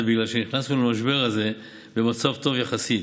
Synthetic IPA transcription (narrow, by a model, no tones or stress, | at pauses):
biɡlalʃeniχnasnulamaʃbe̞ʁhaze̞ | be̞mat͡savt̪o̞vjaχasi